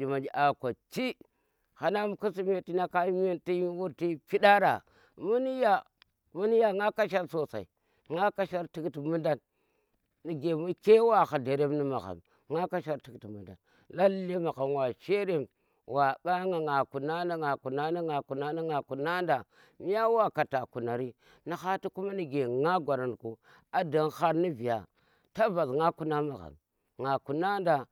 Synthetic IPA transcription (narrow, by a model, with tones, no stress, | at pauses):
d͡ʒi˨ma˨d͡ʒi˨ʔa˨kʷa˨t͡ʃi˦ | ha˨na˦m˦ku˦si˦me˦ti˦na˦ka˦m˦i˦nti˦wu˦ɾti˦pi˦da˦ɾa̰˨ | mu˦ni˦ja˨ | mu˦ni˦ja˦ŋa˦ka˦ʃa˦ɾso˨sa̰˨ḭ˨ | ŋa˦ka˦ʃa˦ɾti˦kti˨mu˦nda˦nː | i˨ɡe˨mu˦ke˦wa˨xa˨de˨ɾe˦mni˦ma˨xa̰˨m | ŋa˦ka˦ʃa˦ɾti˨kti˨mu˨nda̰˨n | la˦lːi˦ma˨ɣa˨m˨wa˨t͡ʃe˦ɾe˦m | wa˨ɓa˦ŋa˨ŋa˨ku˨na˦nda˦ŋa˨ku˨na˦na˦ŋa˨ku˨na˦na˦ŋa˨ku˨na˦nda˨ | mi˦ja˦wa˦ka˨ta˨ku˨na˨ɾi˦ | ni˨xa˦ti˦ku˦ma˦ni˨ɡe˨ŋa˦ɡʷa˨ɾa˨nku˨ | a˨da˨n˦xa˦ɾni˦vi˨ja̰˨ | ta˦va˨zŋa˦ku˦na˦ma˨ɣa̰˨m | ŋa˨ku˨na˦nda˨